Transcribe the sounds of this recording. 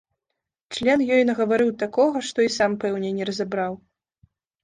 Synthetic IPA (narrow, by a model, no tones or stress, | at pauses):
t͡ʂlʲɛnjɔjnɐɣɐvaɾɨwt̪akɔɣɐʂt̪ɔisampɛwnʲɛnʲɛɾɐzabɾaw